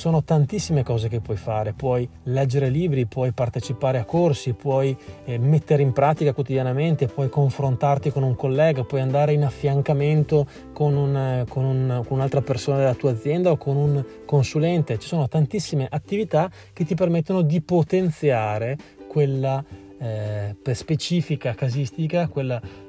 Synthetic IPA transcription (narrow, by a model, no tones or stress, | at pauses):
t͡ʃsoːnot̪ant̪isːimekɔːzekepːwɔjfaːɾepwɔjlɛd͡ʒːeɾeliːbɾipwɔjpart̪et͡ʃipaːɾeakːorsipwɔjmet̪ːeɾeimpɾaːt̪ikakwot̪id̪janament̪epwɔjkoɱfɾont̪art̪ikonuŋkolːɛːɡapwɔjand̪aːɾeinafːjaŋkament̪o | konunkonunkonunalt̪ɾapersoːnad̪elːat̪uːad̪zːjɛnd̪aokʰonuŋ | konsulɛnt̪et͡ʃi̥soːnot̪ant̪isːimeʔat̪ːivit̪a | k̟et̪ːipermet̪ːonod̪ipot̪ent̪sjaːɾekwelːa | pespet͡ʃiːfikakazist̪ikakwelːa